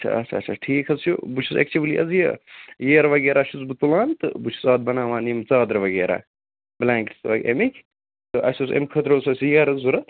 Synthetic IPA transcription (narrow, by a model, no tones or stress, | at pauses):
ɐt͡ʃʰɐ̰ɐ̰t͡ʃʰɐɐːt͡ʃʰɐʈʰiːkʰɐzt͡ʃʰubut͡ʃʰusɐ̰k̚t͡ʃʰiʋliʔɐ̰zjɐ̰jeːɾɐʋɐɡeːɾaːʃʰut͡sbɨt̪ulaːnt̪ɨ̰but͡ʃʰu̥sɐːd̪̚bɐnaːʋaːnimt͡saːd̪ɾɐʋɐɡeːɾa̰ː | blaːŋkʈi̥t̪ʋɐɡʲḛmikʲʰ | t̪ɨʔɐ̰susḛmkʰɐt̪ɾɐsɐsʲijɐːɾɐzzuɾɐ